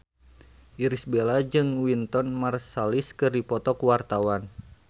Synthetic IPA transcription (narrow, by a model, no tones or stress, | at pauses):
ʔiɾisbelad͡ʒɨŋwint̪ɔnmarsaliskɨrdipɔt̪ɔkuwart̪awan